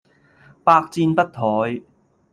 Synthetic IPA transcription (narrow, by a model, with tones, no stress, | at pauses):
paː˧k̚t͡siː˧npɐ˥t̚t̪ʰɔː˨˧j